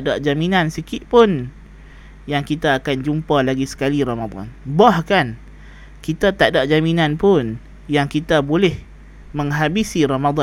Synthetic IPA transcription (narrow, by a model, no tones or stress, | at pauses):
daʔd͡ʒaminãnsikɪʔ̪̚pʊn | jaŋkit̪aːkand͡ʒumpalaɡisə̥kaliɾamad̪ɔ̰nbahkan | kit̪at̪aʔdaʔd͡ʒaminãnpʊn | jaŋkit̪abolɛh | məŋɦabisiɾamad̪